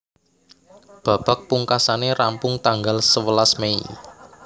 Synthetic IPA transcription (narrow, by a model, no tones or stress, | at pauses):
b̥a̤b̥a̤k̚puŋkasaneɾampʊŋt̪aŋɡalsəwəlasmeḭ